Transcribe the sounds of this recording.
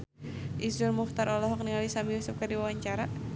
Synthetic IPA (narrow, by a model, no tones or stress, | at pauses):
ʔizʊlmuxt̪aɾɔlɔɦɔk̚niŋalisamiusap̚kardiwawaɲt͡ʃaɾa